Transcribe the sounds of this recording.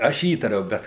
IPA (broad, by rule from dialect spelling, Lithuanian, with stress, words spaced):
ˈɐʃ ˈiːtɐrʲɛʊ ˈbʲɛt